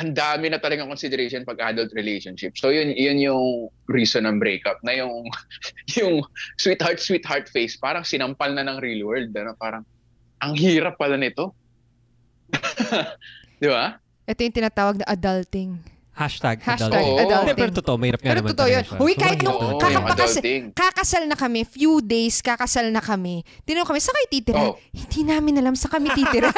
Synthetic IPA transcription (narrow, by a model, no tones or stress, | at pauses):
ʔɐnd̪aːmɪnɐt̪ɐlɐɡaŋkonsɪd̪ɛɾejʃonpɐɡ̚ʔad̪ɐlt̪̚ɾɪlejʃonʃɪpsojʊnjʊnjʊŋɾiːsonɐmbɾejkɐp̚nɐjʊŋ | jʊŋswit̪̚haɹt̪̚swit̪̚haɹt̪fejspaːɾɐŋsɪnɐmpɐlnɐnɐŋɾilwɛɹld̪̚ɐnopaːɾɐŋ | ʔɐŋhiːɾɐpːɐlanɪt̪o̞ | d̪̥ɪba | ʔɛt̪ojʊŋt̪ɪnaːt̪aːwɐɡ̚nɐʔɐd̪ɐlt̪ɪŋ | haʃt̪aɡ̚haʃaɡɐd̪ald̪ɛɛːɾot̪ot̪oʔomɐhiːɾɐp̚ŋaɛɾoɐmaot̪oʔojonowkaːhɪt̪nʊŋkɐɐd̪ɐlt̪ɪŋkɐkɐsalnɐkɐmɛfjud̪ejskɐkɐsalnɐkɐmɛt̪ɪnɐnoŋkɐmɛsɐkɐjt̪iːt̪ɪɾhɪnd̪iːnaːmɪnɐlamsɐkɐmɛt̪it̪ɪɾɐ